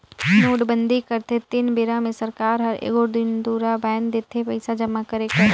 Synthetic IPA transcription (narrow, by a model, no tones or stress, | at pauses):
nuːɖbə̃nd̪ʱikɐɾt̪et̪ɪnbeɾãmẽsɐɾkaːɾɦɐɾḛːɡod̪ɪnd̪uːɾabɛːnd̪eːt̪ʰepɐɪsad͡ʒɐmːakəɾekəɾ